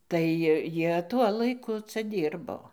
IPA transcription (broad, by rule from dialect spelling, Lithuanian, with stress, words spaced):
tɐɪ ˈjiɛ ˈtuɔ lˠɐɪˈkʊ ˈt͡sɐ ˈdʲiːrboː